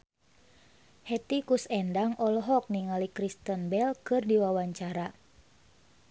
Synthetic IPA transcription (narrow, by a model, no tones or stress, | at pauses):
hɛt̪ikusɛndaŋʔɔlɔɦɔk̚niŋalikɾist̪ənbɛlkɨrdiwawaɲt͡ʃaɾa